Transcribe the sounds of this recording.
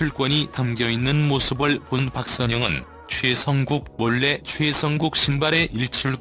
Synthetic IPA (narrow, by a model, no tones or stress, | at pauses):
t͡ɕʰuɭk͈wʌɲitamɡjʌinːɯnmosʰɯbɯɭponpak̚s͈ʌɲʌŋɯn | t͡ɕʰwe̞sʰʌŋɡuk̚mʌɭːe̞t͡ɕʰwe̞sʰʌŋɡuk̚ɕ͈ʰinbaɾe̞ʔiɭt͡ɕʰuɭ